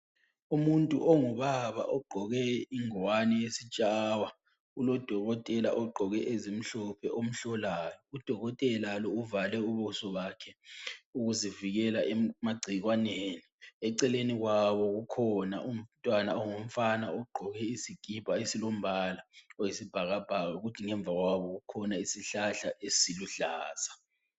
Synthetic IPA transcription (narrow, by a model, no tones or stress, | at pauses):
umuntʼṵʔɔŋuβaβa̰ʔɔɡ͡ǃʱɔɣɛiŋɔwanɛjesit͡ʃʼawa | ulɔd̥ʱɔɣɔtʼɛla̰ʔɔɡ͡ǃʱɔɣɛʔezim̩ɬɔpʰɛʔom̩ɬɔlajɔud̥ʱɔɣɔtʼɛlalɔuvalɛuβɔsɔβakʰɛuɣuziviɣɛlaʔɛmaɡ͡ǀʱiɣwaneːniɛǀɛleniɣwaβɔɣukʰɔna̰ʔum̩tʼwana̰ɔŋom̩fanaɔɡ͡ǃʱɔɣɛisiɡ̥ʱib̥ʱaesilom̩βalaɔjesib̥ʱaɣab̥ʱaɣaɣutʰiŋɛɱb̪vʱaɣwaβɔɣukʰɔnaisiɬaɬaʔesiluɬaːz̥a